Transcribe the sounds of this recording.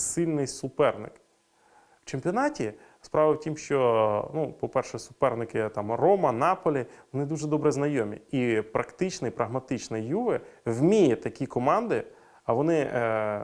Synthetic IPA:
silʲnɪjsʊpɛrnɪ̰k | ʋ̥t͡ʃempʲɔnɑtʲi | spɾɑʋɐwtʲimʃt͡ʃɔnupɔpɛrʃɛsʊ̥pɛrnɪkɪt̪ɑmrɔmɐnɑpɔlʲiʋɔnɪd̪uʒɛd̪ɔbɾɛznɐjɔmʲḭipɾɐkt̪ɪt͡ʃnɪjpɾʔɐɦmɐt̪ɪt͡ʃnɪjuʋɪwmʲijɐt̪ɐkʲikɔmɑnd̪ɪ | ɐʋɔnɪ

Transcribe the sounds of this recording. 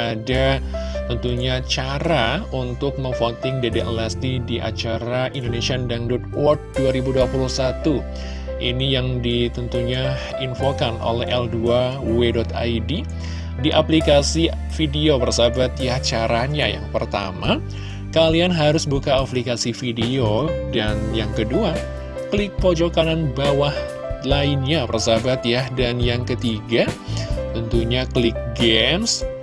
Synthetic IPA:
adat̪ənt̪uɲat͡ʃaɾaunt̪ʊk̚məŋfot̪ɪŋdediʔə̰last̪idiʔa̰t͡ʃaɾaʔindonesiandandɔt̪̚wɔrt̚duaɾibuduapuluhsat̪u | ʔḭnijaŋdit̪ənt̪uɲa | infokanʔo̰lɛɦɛlduawedɔt̪a̰jdi | diʔaplikasi | fideopərsabat̪jaht͡ʃaɾaɲa̰ja̰ŋpərt̪a̰ma | kalianɦaɾʊsbukaːplikasifideodanjaŋkədua | kəlɪk̚pod͡ʒokananbawah | laɪnɲapərsabat̪jadanjaŋkət̪iɡat̪ənt̪uɲaklɪk̚ɡɛms

